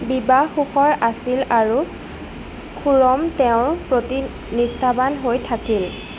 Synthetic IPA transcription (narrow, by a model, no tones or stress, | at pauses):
bibaxuxɔɹasilaɹu | kʰuɹɔmtɛʊ̃ɹpɹoti | nistʰabanɦojtʰakil